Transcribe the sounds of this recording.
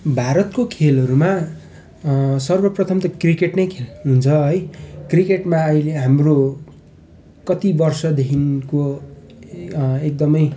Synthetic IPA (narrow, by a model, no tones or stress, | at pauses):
bʱaɾʌt̪kokʰelʌɾuma | sʌrbʌprʌt̪ʰʌmt̪ʌkrikeʈnʌjkʰelɦunt͡sʰʌɦʌjkrikeʈmaʌjleɦamro | kʌt̪ibʌrsʌd̪ekʰinko | ek̚d̪ʌmʌj